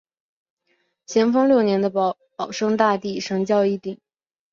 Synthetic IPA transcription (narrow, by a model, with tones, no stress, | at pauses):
ɕʰjɛ˧˥nfɤ˥ŋljo˥˩ʊnjɛ˧˥nd̪ə˧ | pɑ˨˩ʊʂɤ˥ŋt̪a˥˧t̪i˥˩ʂɤ˧˥ŋt͡ɕjɑ˥˧ʊi˥˩t̪i˨˩˦ŋ